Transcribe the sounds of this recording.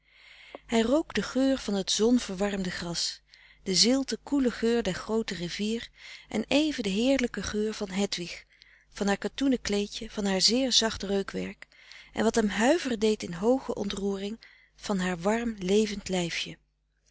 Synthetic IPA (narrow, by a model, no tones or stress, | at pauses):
ɦɛjrowkdəχøːɹv̥ɑnɦətz̥ɔnv̥əɹʋɑɹmdəχrɑs | d̥əzɪlˠtəkuləχøːɹdɛɹχrowtəriviːrʔɛ̰nejvədəɦɪːɹləkəχøːɹv̥ɑnɦɛtʋiχ | vɑnɦaːɹkatunəklejcəv̥ɑnɦaːɹzɪːɹzɑχtrøɥkʋɛ̰ɹk | ʔɛ̰nʋɑtɦɛmɦœɥvəɹdejtɪnɦowχəʔɔ̰ntruːrɪŋ | v̥ɑnɦaːɹʋɑɹmlejvəntlɛjfjə